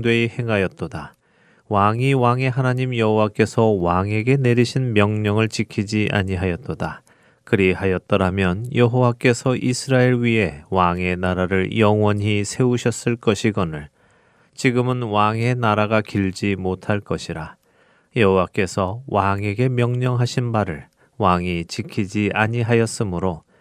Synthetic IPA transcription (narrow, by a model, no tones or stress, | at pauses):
dwehe̞ŋɦajʌt̚t͈oda | waŋiwaŋe̞ɦanaɲimjʌɦowak͈e̞sʰʌwaŋe̞ɡe̞ne̞ɾiɕʰinmjʌŋɲʌŋɯɭt͡ɕikʰid͡ʑiʔa̰ɲiɦajʌt̚t͈oda | kɯɾihajʌt̚t͈ʌɾamjʌnjʌɦowak͈e̞sʰʌʔisʰɯɾaeɾɥie̞waŋe̞naɾaɾɯɭjʌŋwʌnɦisʰe̞uɕʰʌs͈ɯɭk͈ʌɕʰiɡʌnɯɭ | t͡ɕiɡɯmɯnwaŋe̞naɾaɡakiɭd͡ʑimotʰaɭk͈ʌɕʰiɾa | jʌɦowak͈e̞sʰʌwaŋe̞ɡe̞mjʌŋɲʌŋɦaɕʰinbaɾɯɭ | waŋit͡ɕikʰid͡ʑiʔaɲiɦajʌs͈ɯmɯɾo